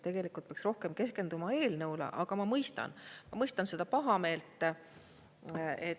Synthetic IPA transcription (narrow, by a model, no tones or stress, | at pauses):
t̪e̞ɡ̥e̞likˑult̪̚peɑksro̞hke̞mke̞ske̞nd̪umɑe̞ːlnɤwlḛʔɑɡ̥ɑmɑmɤjst̪ɑ̰nmɑmɤjst̪ɑnse̞d̪̥ɑpɑɦɑme̞ːlt̪ːˑ | e